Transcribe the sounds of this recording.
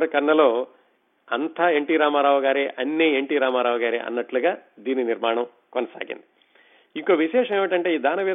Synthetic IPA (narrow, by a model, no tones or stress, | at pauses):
ɾɐkɐɾnːɐloː | ɐnt̪ʰaeɳʈiːɾaːmaːɾaːʋɐɡaːɾeʔɐnːeːeɳʈiːɾaːmaːɾaːʋɐɡaːɾḭɐ̰nːɐʈluɡaːd̪iːniniɾmaːɳɐm | konɐsa̰ːɡḭnd̪i | iŋkoːʋiʃɛːʂɐmeːʋɐiʈɐɳʈeiːd̪ʱaːnɐʋeː